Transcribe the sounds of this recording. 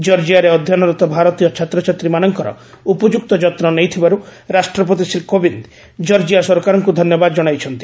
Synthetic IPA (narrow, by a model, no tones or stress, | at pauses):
d͡ʒɔɾd͡ʒiaɾeɔd̪ʱjanɔɾɔt̪ɔbʱaɾɔt̪ijɔt͡ʃʰat̪ɾɔt͡ʃat̪ɾimanɔŋkɔɾɔ̰ | upɔd͡ʒuk̚t̪ɔd͡ʒɔt̪nɔnejt̪ʰibaɾuɾasʈɾɔp̬ot̪isilkobind̪ | d͡ʒɔɾd͡ʒiasɔɾkaɾɔŋkud̪ʱɔnjɔbad̪ɔd͡ʒɔɽ̃ajt͡ʃʰɔnt̪i̥